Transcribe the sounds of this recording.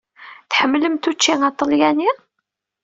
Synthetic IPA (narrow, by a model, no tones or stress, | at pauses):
θħəmːləmt̪ut͡ʃːiŋɑt̪ˤːəljæni